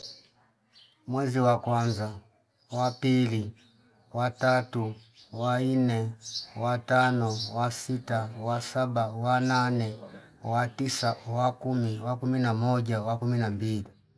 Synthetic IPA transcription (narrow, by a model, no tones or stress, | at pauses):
mwɛziwakwanza | wapili | watatu | wanɛwatanɔwasitawasabawananɛ | watisawakumiwakuminamɔɟawakuminambili